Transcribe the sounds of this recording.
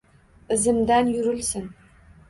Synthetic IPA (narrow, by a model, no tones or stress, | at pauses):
ɘ̆zɘ̆md̪ænjyɾɘ̆lsɘ̆n